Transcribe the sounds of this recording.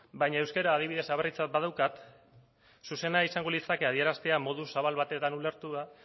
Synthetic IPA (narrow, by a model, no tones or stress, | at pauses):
bajɲaewske̞ɾaːð̞iβ̞iðe̞saβerit͡sat̪̚bað̞awkat̪ | suse̞naisaŋɡo̞lisake̞að̞ie̞ɾast̪e̞amo̞ð̞usaβalβat̪e̞t̪anule̞ɾt̪uða